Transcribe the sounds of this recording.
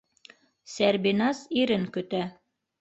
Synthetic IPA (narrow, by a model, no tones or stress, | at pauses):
sæɾbinɑsiɾɘŋkɵ̆t̪æ